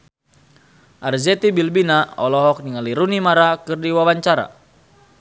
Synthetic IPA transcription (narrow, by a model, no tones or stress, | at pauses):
ʔarzɛt̪ibilbinaɔlɔɦɔk̚niŋaliɾunimaɾakɨrdiwawaɲt͡ʃaɾa̰